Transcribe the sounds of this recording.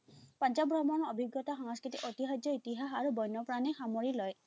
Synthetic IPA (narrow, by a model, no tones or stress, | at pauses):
pant͡ʃabɾɔmɔnɔɔbʱiɡjɔt̪axɔŋskɹit̪iʔot̪iɦajd͡ʒjɔit̪iɦaɦaɾubɔjnːɔpɾanɛxamoɹilɔj